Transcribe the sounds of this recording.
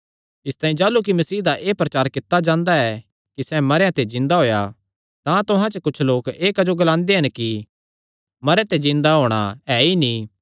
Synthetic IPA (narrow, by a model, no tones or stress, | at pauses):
ɪst̪aːĩd͡ʒaːluk̬imɐsiːɦd̪aʔeːpɾɐt͡ʃaːɾkɪt̪ːad͡ʒãːnd̪aɛ | kisɛmɐɾejãt̪ed͡ʒɪ̃nd̪aɦoːja | t̪ãt̪ʊɦãt͡ʃəkʊt͡ʃʰloːkeːkɐd͡ʒoɡɐlãːnd̪eɦɐnki | mɐɾeãt̪ed͡ʒɪ̃nd̪aɦoːɽ̃a̰ɛːini